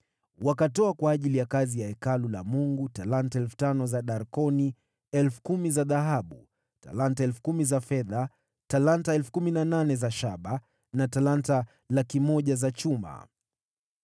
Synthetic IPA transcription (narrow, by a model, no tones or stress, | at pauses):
wakatɔakwaːʄilijakazijaɛkalula̰muŋɡutalantaɛlfu̥tanɔzaɗaɾkɔni | ɛlfu̥kumizaðaɦaɓu | ta̰lantaɛlfu̥kumizafɛða | talantaɛlfu̥kuminananɛzaʃaɓa | natalanta | lakimɔʄazat͡ʃuma̰